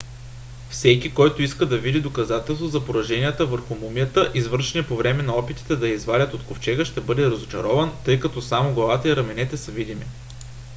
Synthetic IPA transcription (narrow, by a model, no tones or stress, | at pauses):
fsɛkʲikɔjt̪ʊiskəd̪ɐvid̪id̪okɐzat̪ɛlˠst̪vozɐpoɾɐʒɛnʲijət̪əvəɾxʊmumijət̪əʔizvɤɾʃɛnɛpovɾɛmɛnɐɔpit̪i̥t̪ɛd̪ɐizvalʲət̪ot̪koft͡ʃɛɡəʃt̪ɛbɤd̪ɛɾɐzot͡ʃɐ̰ɾɔvənt̪ɤjkɐt̪ɔsamoɡlˠɐvat̪əiɾɐmɛnɛt̪ɛsɐvid̪imḭ